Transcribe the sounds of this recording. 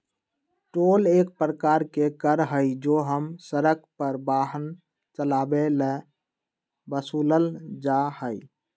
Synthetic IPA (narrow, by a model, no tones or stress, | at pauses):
ʈolek̚pɾəkaɾkekəɾɦəjd͡ʒoɦəmsəɾək̚pəɾbaɦən | t͡ʃəlabele | bəsuləld͡ʒahəj